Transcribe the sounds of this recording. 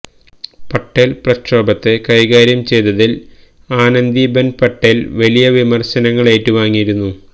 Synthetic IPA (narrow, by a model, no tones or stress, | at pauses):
pɐʈːelprɐkroːbɐt̪ːe̞kɐjɣaːɾjɐmt͡ɕe̞jt̪ːɐðil | aːnɐnd̪ibenpɐʈːelʋɐlijɐʋimɐrɕɐnɐŋːɐɭeːtːɨʋaːŋːijiɾunːu